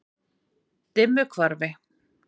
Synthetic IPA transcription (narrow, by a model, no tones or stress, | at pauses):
t̪ɪmːʏkʰvaɾvɪ